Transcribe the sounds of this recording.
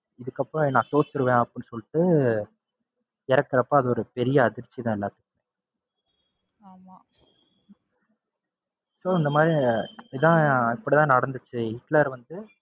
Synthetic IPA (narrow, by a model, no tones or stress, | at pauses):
ɪðɯkːɐpːɾõnãːt̪oːst̪ɯɾɯʋẽːɐpːɪnːɯsɔlːɪʈːɯ | ɪɾɐkːɐɾɐpːɐ̃ɐðɔɾɯpɛɾɪjɐːðɪɾt͡ʃːiðãːɪlːaːt̪ːɯ̥kːẽ | maː | soːɪnd̪ɐmaːd̪ɾiɪpɐɽit̪ãːɪpːɐɽit̪ãːnɐɽɐnd̪ɯt͡ʃːɯɪʈlaːɾʋɐnd̪ɯ